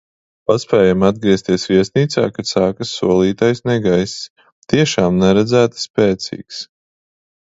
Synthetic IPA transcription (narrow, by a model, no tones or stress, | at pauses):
paspʲɛːjamad̪̚ɡɾiɛst̪iɛsviɛsʲniːt̪sa̰ːkat̪saːkasːuɔlˠiːt̪ajsnɛɡajss | t̪iɛʃaːmnɛɾɛd̪zæːt̪sːpɛːt̪sḭːks